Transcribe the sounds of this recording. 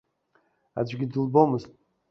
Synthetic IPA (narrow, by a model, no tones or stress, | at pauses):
a̰d͡ʒʷɡʲidɨlbo̞mɨztʼ